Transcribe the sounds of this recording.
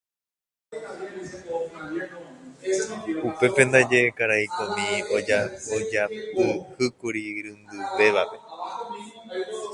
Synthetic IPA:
upe̞pe̞nd̪ad͡ʒe̞ekaɾaikõmĩo̞d͡ʒaod͡ʒapɨhɨkuɾiɾɨ̃nd̪ɨpe̞ʋape̞

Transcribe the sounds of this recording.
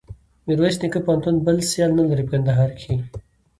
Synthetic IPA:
miɾwasnikəpant̪unbəlsjalnɐlaɾipkɐnd̪aɦaːɾkʰi

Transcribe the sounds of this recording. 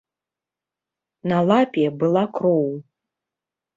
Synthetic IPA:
nalˠapʲjɛbɨlˠakɾɔw

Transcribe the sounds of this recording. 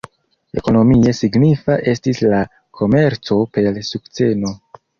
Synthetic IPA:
e̞̰ko̞no̞mie̞siɡnifaʔe̞stisla | kʰo̞me̞ɾt͡so̞pe̞lsukt͡se̞no̞

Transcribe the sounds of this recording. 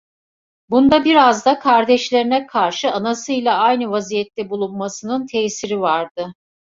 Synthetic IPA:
bund̪abiɾazd̪akʰaɾd̪ɛʃlʲeɾinɛkʰaɾʃɯanasɯjlʲˠaajnɯvazijɛt̪ːɛbulˠunmasɯnɯnt̪ʰɛːsiɾivaɾd̪ɯ

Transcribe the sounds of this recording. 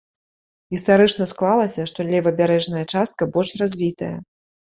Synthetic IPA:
ɣʲist̪aɾɨt͡ʂnɐsklˠalˠɐsʲɐʂt̪ɔlʲɛvɐbʲaɾɛʐnɐjɐt͡ʂast̪̚kɐbɔlʲʂrazʲvʲit̪ɐjɐ̰

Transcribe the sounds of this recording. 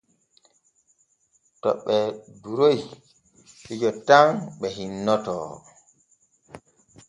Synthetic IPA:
tɔ̰ɓːɛduɾoj | hid͡ʒɔtaŋɓɛɦinːɔtɔ̰

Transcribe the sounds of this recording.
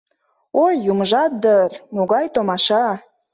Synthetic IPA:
ojːuməʒɑt̪̚d̪ərmuɣɑjt̪omɑʃɑ

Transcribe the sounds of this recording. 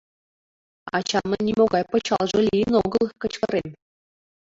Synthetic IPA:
ɑ̰t͡ɕɑnːɤ̆nʲimoɡɑjpɤ̆t͡ɕɑlˠʐɤ̆lʲinoɡɤ̆lˠkɤ̆t͡ɕkɤ̆ɾʲemʲ

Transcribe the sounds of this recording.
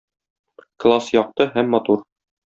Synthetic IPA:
klˠasjɒq̚t̪ɤɦæmːɒt̪uɾ

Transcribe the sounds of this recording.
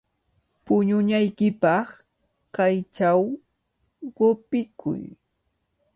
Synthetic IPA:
pʊɲʊɲajkɪpɑχ | qɑjt͡ʃaw | ɢopɪkʰʊ̰j

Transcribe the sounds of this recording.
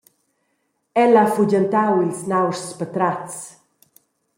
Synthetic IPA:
ɛlafuɟant̪awilsnawsspət̪ɾat͡s

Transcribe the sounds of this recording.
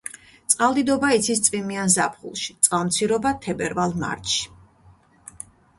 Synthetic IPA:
t̪sʼqʼalˠd̪id̪ɔbait̪sʰist̪sʼvimianzapʰχṵlˠʃi̥t̪sʼqʼalˠmt̪sʰiɾɔbat̪ʰɛbɛɾvalˠma̰ɾt̪ʃi̥

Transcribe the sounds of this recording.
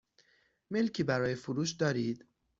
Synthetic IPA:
me̞lcʰiːbæɾɒːjefuɾuːʃd̪ɒːɾiːd̪̥

